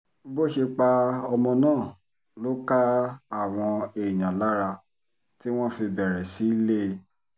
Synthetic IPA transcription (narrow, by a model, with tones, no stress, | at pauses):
bo˦˨ʃe˧k͡pa˧ɔ˧mɔ̃˧nãː˦˨ | lo˦ka˦a˦˨w̃ɔ̃˧e˨j̃ã˨la˦ɾa˧ | ti˦w̃ɔ̃˦fi˧bɛ˨ɾɛ˨si˨˦i˦le˦˧